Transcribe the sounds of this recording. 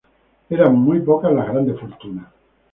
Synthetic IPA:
eɾammːujpɔkalaɣɾand̪efoɾt̪una

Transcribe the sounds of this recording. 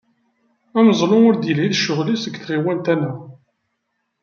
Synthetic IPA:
æməzˤlʊʊɾd̪jəlhiθʃːʊʁlisəɡθʁiwænt̪ænæ

